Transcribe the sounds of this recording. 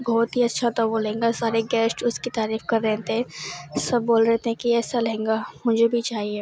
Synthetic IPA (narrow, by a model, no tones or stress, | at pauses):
bɔːt̪ɦiɐtːʃʰat̪aʋolɐɦẽːŋɡasaːɾeɡɛːsʈʊskit̪aːɾiːfkɐɾːɛ̃ːt̪eɦɛ̃sɐb̚ːoːlɾɛɦt̪eɦɛ̃kiɛːsalɐɦẽːŋɡamʊd͡ʒʱebʱit͡ʃaːɦie